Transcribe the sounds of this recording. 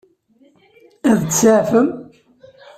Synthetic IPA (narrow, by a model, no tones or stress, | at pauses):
æðət͡sːt͡sːaʕfəm